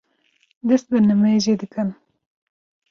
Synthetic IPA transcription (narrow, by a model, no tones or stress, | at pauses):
d̪ɨst̪̚bɨnɨmeʒed̪ɨkɨn